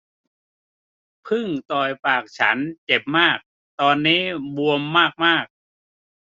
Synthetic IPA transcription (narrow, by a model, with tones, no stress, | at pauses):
pʰɯ˥˩ŋt̪ɔː˨˩jpaː˨˩k̚t͡ɕʰa˦˥nt͡ɕe˨˩p̚maː˥˩k̚ | t̪ɔː˧nːiː˦˥bu˧əmːaː˥˩k̚maː˥˩k̚